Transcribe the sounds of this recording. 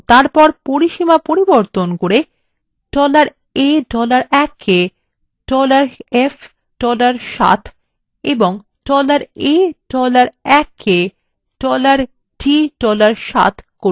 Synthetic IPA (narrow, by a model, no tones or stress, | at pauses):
t̪aɾpɔɾpoɾiʃimapoɾiboɾt̪onkoɾe | ɖ̥ɔlaɾ | eɖɔlaɾɛkʰːe | ɖɔlaɾef | ɖ̥ɔlaɾʃa̰t̪ʰ | eboŋ | ɖɔlaɾeɖɔlaɾɛkʰːe | ɖɔlaɾ | ɖiɖɔlaɾʃa̰t̪ʰko